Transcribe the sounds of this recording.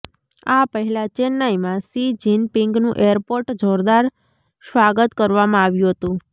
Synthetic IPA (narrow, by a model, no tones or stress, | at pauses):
apəɦɛlat͡ʃenːajmãsid͡ʒinpɪŋɡnũʔeəɾpoɾʈd͡ʒoɾd̪aɾ | sʋaɡət̪kəɾʋamãaʋjũɦət̪ũ